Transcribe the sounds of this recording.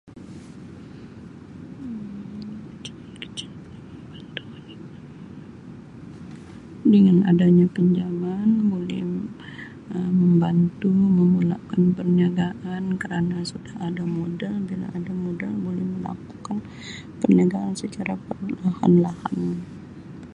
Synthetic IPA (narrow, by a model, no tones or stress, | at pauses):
kt͡ʃbant̪u̥ | dəŋana̰daɲapəɲd͡ʒamanbolɛ̰h | əməmbant̪uməmula̰ʔkanpərɲaɡaʔankəɾanasudahadamudalbila̰ʔːdamodalbolɛhməla̰ku̥kan | pərɲaɡaansət͡ʃaɾapərlaha̰nlaha̰n